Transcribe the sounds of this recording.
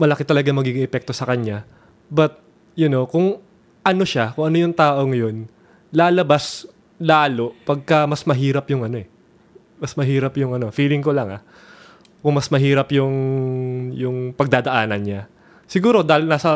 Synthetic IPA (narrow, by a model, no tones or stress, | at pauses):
mɐlɐkɪt̪ɐlɐɡaŋmɐɡiɡɪŋʔɛpɛk̚t̪o̞sɐkɐɲa | bɐt̪̚ | jʊno̞kʊŋ | ʔɐno̞ʃakʊŋʔɐnojʊŋt̪aːʔo̞ŋɐjo̞n | laːlɐbas | laːlo̞ʔpɐɡ̚kɐmɐsmɐɦiːɾɐpjʊŋɐno̞ɛ | mɐsmɐɦiːɾɐpjʊŋɐno̞fiːlɪŋko̞lɐŋɐ̰ | kʊŋmɐsmɐɦiːɾɐpjʊŋ | jʊŋpɐɡ̚d̪aːd̪ɐʔaːnɐnɲa | sɪɡuːɾo̞d̪aːhɪlnaːsɐ